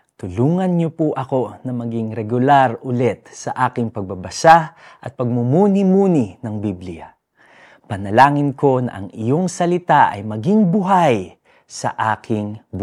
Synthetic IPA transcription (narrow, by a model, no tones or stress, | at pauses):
t̪ʊluːŋɐnɲopʊʔɐko̞nɐmɐɡɪŋɾɛɡʊlaɾʊlɛt̪̚sɐʔaːkɪŋpɐɡ̚bɐbɐsaʔɐt̪̚pɐɡ̚mʊmuːnimuːnɪnɐŋbiblɪja̰ | pɐnɐlaːŋɪnko̞nɐ̰ʔɐŋɪjo̞ŋsɐlɪt̪aʔɐ̰jmɐɡɪŋbʊɦaj | sɐ̰ʔaːkʰɪŋb